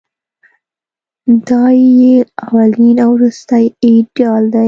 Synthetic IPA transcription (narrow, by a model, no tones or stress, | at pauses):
d̪ɑjeawalinawɾust̪ajiɖjɑld̪aj